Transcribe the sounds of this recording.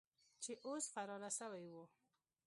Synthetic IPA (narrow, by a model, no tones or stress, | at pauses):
t͡ʃeʔosfaɾɑlasəwajwu